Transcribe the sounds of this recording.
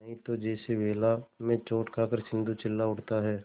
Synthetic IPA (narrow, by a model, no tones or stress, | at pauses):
ɦĩt̪od͡ʒɛːseʋeːlamẽt͡ʃoːʈkʰaːkəɾsɪ̃nd̪ut͡ʃɪlːaʊʈt̪aɦɛː